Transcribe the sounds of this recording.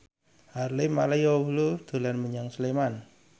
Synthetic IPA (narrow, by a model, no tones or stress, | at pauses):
harlemalajowulud̪̥o̤lanməɲaŋsleman